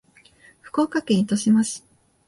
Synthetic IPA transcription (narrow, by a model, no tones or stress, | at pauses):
ɸɯ̟̥ko̞ːkakẽit̪oɕimaɕi̥